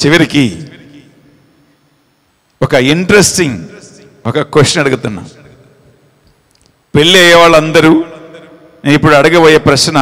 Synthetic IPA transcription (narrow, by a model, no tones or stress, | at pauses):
t͡ʃiʋɐɾiki | ɔkɐiɳʈɐɾesʈiŋ | ɔkɐkʋeʂʈːjɐnɐɽuɡut̪unːa̰ːm | peɭːiɐjɐʋaːɭːɐnd̪ɐɾu | neːnipːuɽuɐɽuɡɐpoːjeːpɾɐʃnɐ